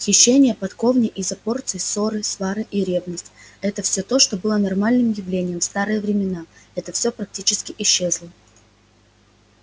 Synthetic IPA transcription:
xʲɪɕːenʲɪjəpɐt̪ko̞vnʲɪʔɪzɐpo̞rt̪sɨɪso̞ɾɨsvaɾɨʔiɾʲe̞vnəsʲtʲɛt̪əfsʲot̪o̞ʂt̪o̞bɨlˠənɐrmalʲnɨmjɪvlʲenʲɪjəmfst̪aɾɨjəvɾʲɪmʲɪnaɛt̪əfsʲo̞pɾɐk̚tʲit͡ɕɪskʲɪʔɪɕːe̞zlˠə

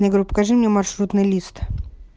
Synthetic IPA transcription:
əjɪɡɾʲupə̥kaʐɨmnʲemɐrʂɾut̪nɨjlʲist̪

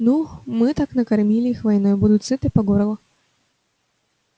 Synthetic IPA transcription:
numɨt̪aknəkɐrmʲilʲɪixvajnojbud̪ʊt̪ʲsɨt̪ɨpaɡoɾɐlˠɐ

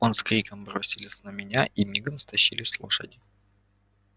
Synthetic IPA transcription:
onskɾʲikəmbɾosʲɪlʲɪsnəmʲɪnʲaʔimʲiɡəmst̪ɐɕilʲɪsʲlˠo̰ʂə̰dʲɪ

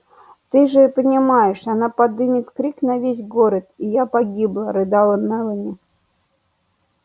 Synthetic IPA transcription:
t̪ɨʐɨpənʲɪmajɪʂanapɐd̪ɨmʲɪt̪kɾʲiknɐvʲes̬ʲɡoɾət̪ijapɐɡʲiblˠəɾɨd̪alˠənɛlˠəmʲɪ

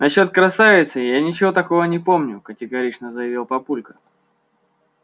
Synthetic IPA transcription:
nɐɕːo̞t̪̚kɾɐsavʲɪt̪sɨjanʲɪt͡ɕɪvo̞t̪ɐko̞vənʲɪpo̞mnʲʊkətʲɪɡɐɾʲit͡ɕnəzəjɪvʲilˠpɐpulʲkə̥

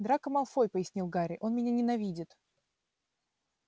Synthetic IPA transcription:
d̪ɾakəmɐlˠfojpəjɪsʲnʲilˠɡaɾʲɪʔo̞nmʲɪnʲanʲɪnɐvʲidʲɪt̪

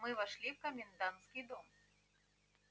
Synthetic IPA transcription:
mɨvaʂlʲiwkɐmʲind̪ant̪skʲid̪ɔm

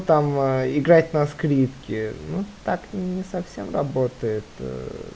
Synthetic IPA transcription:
t̪amɪɡɾat̪̚ʲnɐskɾʲipkʲɪnut̪akʲnʲɪsɐfsʲemrɐbot̪əjɪt̪

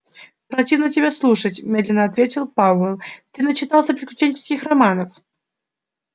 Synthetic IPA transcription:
pɾɐtʲivnətʲɪbʲeslˠuʂətʲmʲed̪lʲɪnːəɐt̪vʲetʲɪlˠpaɛlˠt̪ɨnət͡ɕɪnalˠsʲəpʲɪɾʲɪklʲʉt͡ɕenʲt͡ɕɪ̥skʲixrɐmanəf

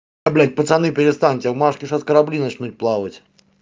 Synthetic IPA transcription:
ɐblʲæt̚ʲpət̪sɐnɨpʲɪɾʲɪst̪anʲtʲvmaʂkʲɪʂaskəɾablʲinɐt͡ɕnut̚ʲplˠavətʲ

